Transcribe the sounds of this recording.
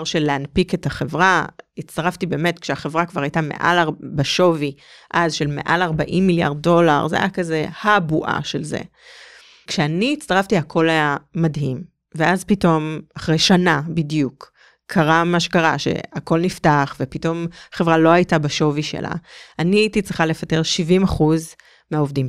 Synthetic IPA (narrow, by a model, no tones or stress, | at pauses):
ʁʃeleanpike̞taχevʁait͡staʁaftibe̞ːme̞tkʃeaχevʁakvaʁajtame̞̰ʔa̰laʁbaʃo̞vi | ʔazʃe̞lme̞̰ʔa̰laʁbaʔimːilja̰ʁd̚do̞la̰ʁza̰jakaze̞habuʔa̰ʃelzḛ | kʃeaniːt͡st̪aʁaftiakʰo̞lajamadɦim | veazpito̞maχʁejʃanabidjukʰː | aʁamaʃe̥kaʁaʃḛako̞lniftaχvepito̞maχe̞vʁalo̞ajtabaʃo̞viʃe̞̰lʔa̰aniaitit͡sʁiχale̞fateʁʃivimaχuz | meaovdim